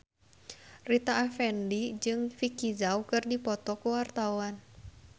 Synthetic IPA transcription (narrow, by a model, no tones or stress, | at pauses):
rit̪aʔːfɛndid͡ʒɨŋfikizaukɨrdipɔt̪ɔkuwart̪awan